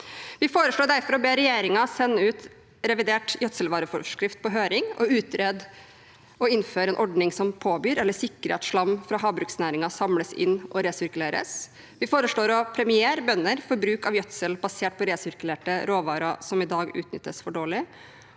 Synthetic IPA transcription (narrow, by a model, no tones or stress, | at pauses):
ʋɪfoːɾəʂɭoːɖæɾfɔɾɔbeːɾɛjeːɾɪŋɑsɛnːəʉːt̪ | ɾɛʋɪd̪eːʈjœt̪səlʋɑːɾəfɔ̰ʂkɾɪft̪̚pɔɦøːɾɪŋɔ̰ʉːt̪ɾed̪ | ɔɪnføːɾɛːnʔɔɖnɪŋsɔmpʰoːbyːɾɛlːəsɪkːəɾɛ̰t̪sʂɭɑmːfɾɑɦɑːbɾʉksnæːɾɪŋɑsɑmləsɪ̰nːʔɔɾeːsʏɾkʉleːɾə̰s | ʋɪfoːɾəʂɭoːɾɔpʰɾɛmɪeːɾəbœnːəɾfɔɾbɾʉːkɑʋjœt̪səlbɑseːʈ̚pʰɔɾeːsʏɾkʉleːʈəɾoːʋɑːɾɑsɔmɪd̪ɑːɡʉ̰ːt̪nʏ̰t̪ːəsfɔɖoːɭɪ